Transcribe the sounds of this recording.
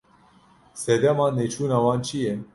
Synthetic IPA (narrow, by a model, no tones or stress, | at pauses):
sɛd̪ɛmɑːnːet͡ʃʰuːnawɑːnt͡ʃʰijɛn